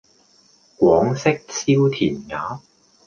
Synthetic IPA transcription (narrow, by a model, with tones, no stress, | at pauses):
kʷwɔː˨˥ŋsɪ˥k̚sʰiː˥wt̪ʰiː˨˩nŋa̰ː˨˥